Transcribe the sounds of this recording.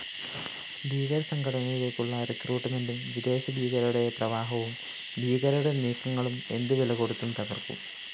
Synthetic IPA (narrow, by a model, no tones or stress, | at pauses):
biːɣɐɾɐsɐŋɡʰʱɐɽɐnɐjilekːuɭːɐrekruːʈːme̞ndumʋid̪e̞ːɕɐbiːɣɐɾuɽe̞prɐʋaːɦɐʋum | bʱiːɣɐɾuɽe̞niːkːɐŋːɐɭume̞nd̪ɨʋilɐɣoɽut̪ːumt̪ɐɣɐrkṵm